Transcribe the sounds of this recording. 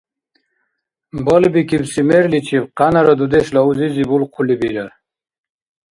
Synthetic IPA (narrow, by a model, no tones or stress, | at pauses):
bɐlbikibsimeɾlit͡ɕʰibqɑnɐɾɐd̪ud̪eslauzizibulqʰulibiɾɐɾ